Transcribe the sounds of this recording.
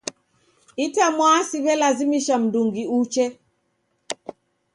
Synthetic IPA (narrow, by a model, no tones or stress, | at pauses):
itamwasiβɛlazimiʃam̩duŋɡiut͡ʃɛ